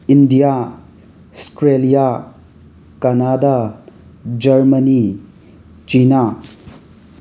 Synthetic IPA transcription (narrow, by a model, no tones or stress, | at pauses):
indija | stɾelija | kɐnada | d͡ʒɐɾmɐni | t͡ʃina